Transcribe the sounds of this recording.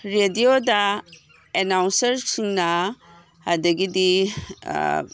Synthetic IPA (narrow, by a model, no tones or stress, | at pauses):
ɾediodɐ | enawnsɐɾsiŋnɐ | hadɐɡidḭ